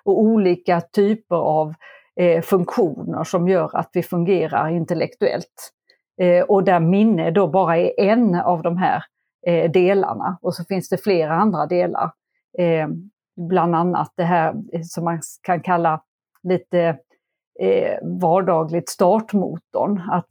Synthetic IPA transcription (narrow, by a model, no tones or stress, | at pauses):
ɔuːliːkat̪ʰyːpəɾav | fɵŋkɧuːnə̰ʂɔmjœːɾa̰t̪vɪfɵŋɡeːɾa̰ɾɪnt̪ɛlɛkt̪ɵɛ̰lt̪ | ʔɔd̪æɾmɪnːəd̪obɑːɾaɛɾʔɛnːavd̪ɔmɦæ̰ːɾ | d̪eːla̰ɳa̰ɔsɔfɪnsd̪ɛfleːɾaand̪ɾad̪eːla̰ɾ | bland̪anːa̰t̪̚d̪ɛɦæːɾsɔmːakʰankʰalːa | liːt̪ə | vɑːɖɑːɡlɪɡ̚t̪st̪ɑːʈmṵːt̪ʊ̰ɳat̪